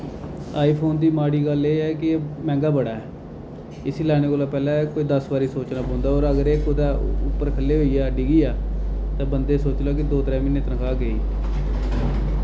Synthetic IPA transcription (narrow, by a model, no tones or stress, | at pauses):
aːiːpʰoːnd̪iːmaːɽiːɡəleːɛːkɪːmɛ̃ːŋɡaːbəɽaːɛː | ɪsiːlaːɽ̃eːkoːlaːpɛːlaːkoːiːd̪əsbaːɾiːsoːt͡ʃnaːbõːnd̪aːoːɾəɡəɾeːkʊd̪ɛːʊpːəɾkʰəlːeːɦoːiːɛːəɖiːɡiːaːt̪ãːbənd̪eːsoːt͡ʃlaːkɪd̪oːt̪ɾɛ̃ːmɪnːeːt̪əɾə̃kʰaːɡəiː